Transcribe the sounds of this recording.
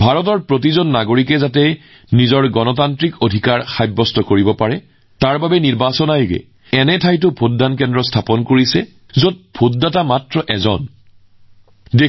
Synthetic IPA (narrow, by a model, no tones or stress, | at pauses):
bʱaɹɔt̬ɔɹpɹot̬izɔnːaɡoɹikɛzatɛ | nizɔɹɡɔnɔtantɹikodʱikaɹxajbːɔstɔkoɹibɔpaɹɛ | taɹbabɛniɹbasɔnajʊɡɛ̰ | ɛnɛtʰajtʊpʰodːank̬ɛndɹɔstʰapɔnkoɹisɛ | zot̚pʰot̚datamatɹɔʔɛzɔ̰n | de